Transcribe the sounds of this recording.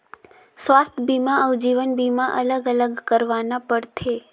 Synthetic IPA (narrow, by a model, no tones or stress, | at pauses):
sʋast̪ʰbimãəʋd͡ʒiʋənbimaʔələɡələɡkəɾʋanapəɽt̪ʰe